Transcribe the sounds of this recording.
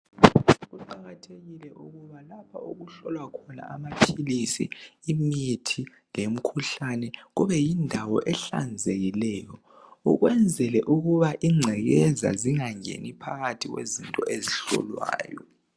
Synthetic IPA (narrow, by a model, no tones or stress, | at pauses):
ɣuǃaɣatʰeɣilɛʔuɣuβalapʰa̰uɣuɬɔlwakʰɔna̰amapʰilisḭːmitʰi | lem̩kʰuɬanɛɣuβɛjindʱawɔʔɛɬa̰nd͡zʱeɣilɛːjɔ | ṵɣwɛnd͡zʱɛlɛʔuɣuβaʔiŋ͡ǀʱɛɣɛza̰ziŋaŋḛnipʰaɣatʰiɣwḛzintʼɔʔeziɬɔ̰lwa̰ːjɔ̰